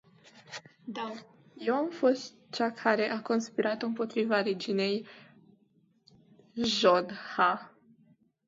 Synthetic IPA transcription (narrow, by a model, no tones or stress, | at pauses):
d̪a | je̞wamfo̞st̪ | t͡ʃakʰaɾe̞ʔako̞nspiɾat̪ɨmpo̞t̪ɾivaɾed͡ʒine̞j | ʒod̪ha